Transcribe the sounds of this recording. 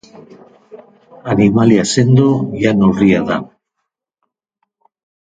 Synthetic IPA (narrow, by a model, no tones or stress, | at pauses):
animaljasend̪ojanoriaða̰